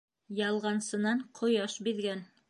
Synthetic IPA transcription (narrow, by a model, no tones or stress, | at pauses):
jɑlˠʁɑnsɤ̆nɑɴqʰŏjɑʃbiðɡæn